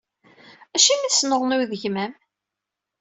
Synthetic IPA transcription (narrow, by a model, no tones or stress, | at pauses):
æʃimisnəʁˤnʊɾðəʝmæm